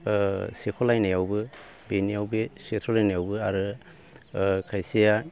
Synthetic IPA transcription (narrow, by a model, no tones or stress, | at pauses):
sekʰolajnajawbɯ | benijawbesetʰɔlajnajawbɯaɾɯ | kʰajsija